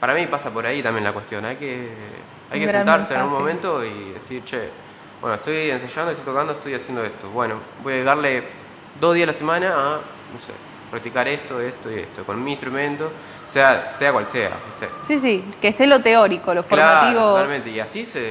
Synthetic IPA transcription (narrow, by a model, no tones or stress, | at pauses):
paɾamipasapoɾait̪ambjenlakwest̪jo̞najke | a̰jkesent̪aɾsenaɣunmo̞mẽnt̪oiðḛsiɾt͡ʃe | bwḛnoeht̪ojensaʒandot̪ojt̪okand̪oet̪ojasjend̪oest̪oβwenobojaʒeɣaɾle | d̪o̞ɦð̞iaslasemanaː | nosḛ | pɾak̚t̪ikaɾest̪oest̪oiḛst̪okonmiːnst̪ɾumẽ̞nt̪o̞ | seaseakwalsea̰keht̪ḛsis̬ikest̪elot̪eoɾikolofkolɾamat̪iβoaalmẽnt̪eiasise